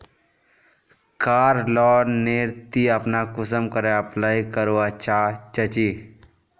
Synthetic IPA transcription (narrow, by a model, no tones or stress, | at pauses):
kaːɾlɔːneɾt̪iəpnakʊsəmkəɾeəplaːikəɾoat͡ʃaːt͡ʃət͡ʃi